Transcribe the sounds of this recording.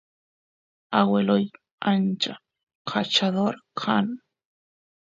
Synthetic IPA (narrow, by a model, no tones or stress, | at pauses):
aweloj | ant͡ʃa | qkʰat͡ʃaðoɾkʰa̰n